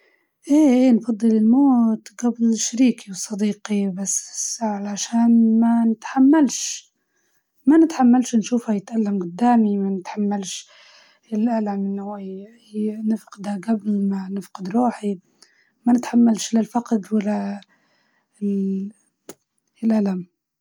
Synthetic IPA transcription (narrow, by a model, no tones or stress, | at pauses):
ʔeːʔeːnfɑd̪ˤːɨlɪlmoːt̪ɡablʃaɾiːkʰiwɨsˤːɑd̪iːqibasːɪsʕalaʃaːnmanɪt̪ħamːalʃ | manɪt̪ħamːalʃnʃuːfhajɪt̪ʔalːamɡʊd̪ːaːmimanɪt̪ħamːalʃ | ɪlʔalamɪnːahaj | nɪfqɪd̪haɡablmanɪfqɪd̪ɾuːħi | manɪt̪ħamːalʃlɪlfaqd̪walːa | lʔalam